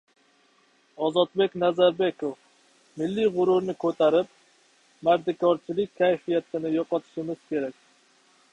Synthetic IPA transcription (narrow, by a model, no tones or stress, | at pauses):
ɒzɒt̪̚bekʲnazaɾbekof | mɪlːiʁʊɾʊɾnɪkʰʲɵt̪ʰaɾɪp̚ | maɾd̪ɪkʰɒɾt͡ʃʰɪlɪk̚ʲkʲʰːajfijat̪ʰɪnɪjɒqɒt̪ʰɪ̥ʃɪmɪz̥kʲʰe̞ɾak̚ʲ